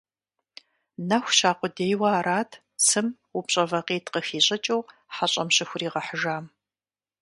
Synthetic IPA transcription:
nɐxʷɕaːqʷʊdeːjwɐːɾaːtʰ | t͡sʰɨm | ʊpɕʼɐvɐqiːtqəxiːɕʼɪt͡ʃʼɐwħaɕʼɐmɕɪxʷʊriːʁɐħəʒaːm

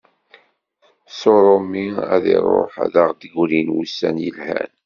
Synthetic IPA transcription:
soɾˤomːiæðiɾˤo̰ħæ̰ðaʁd̪əɡʷlinwusːænjəlhæn

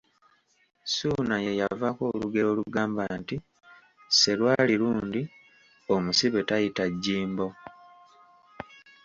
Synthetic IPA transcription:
sunaje̞javako̞ːluɡe̞o̞ːluɡaːmbanti | se̞lwaːliɾuːndi | o̞musiβe̞tajitaɟːiːmbo̞

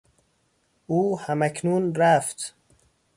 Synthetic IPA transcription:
uːhæmækʰnuːnɾæft̪

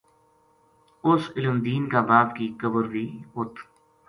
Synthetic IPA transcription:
ʊsɪlʊmd̪iːnkaːbaːbkikəbəɾʋiːɦʊt̪ʰ

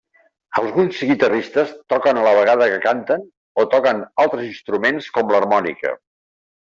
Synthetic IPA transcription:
əlˠzɣunsɣit̪ərist̪əst̪ɔkənələβ̞əɣaðəkəkant̪ən | ot̪ɔkənalˠt̪ɾəzinst̪ɾumenskɔmlərmɔnḭkə̰

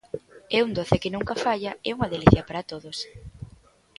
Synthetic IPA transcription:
ɛund̪oθɪkɪnuŋkɐfaʎɐɛuŋɐðeliθjɐpaɾɐt̪oðos

